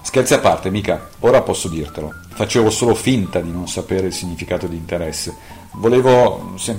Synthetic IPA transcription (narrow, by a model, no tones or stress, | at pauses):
skelt̪seapːart̪emiːka | oːɾapɔsːod̪irt̪elo | fat͡ʃeːvosoːlofint̪ad̪inonsapeːɾeilsiɲːifikaːt̪od̪iːnt̪eɾɛsːe | voleːvosɛm